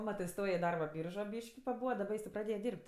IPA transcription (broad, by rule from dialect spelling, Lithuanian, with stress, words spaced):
ˈmɑːtɜ ɪˈstoːjɛ ɪ ˈdɐrbɐ ˈbʲiːrʒoː ˈbʲiːʃʲkʲɪ pɐˈbuːʋɐ dɐˈbɐ jɪs tʲeː prɐˈdʲeːjɛ ˈdʲiːrʲpʲtʲ